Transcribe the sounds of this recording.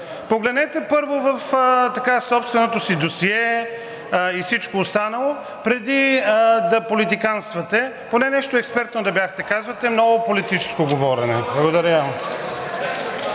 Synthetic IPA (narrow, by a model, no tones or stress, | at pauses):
poɡlɛd̪nɛt̪ɛpɤɾvovɐft̪ɐkasɔpst̪vɛnot̪osid̪osiɛ | isit͡ʃkoːst̪anɐlˠo | pɾɛd̪id̪ɐpolit̪ikanst̪vɐt̪ɛ | ponɛnɛʃt̪oɛkspɛɾt̪nod̪ɐbjaxt̪ɛkazvɐt̪ɛmnɔɡopolit̪it͡ʃɛ̥skoɡovɔɾɛnɛ̰blˠɐɡod̪ɐɾəa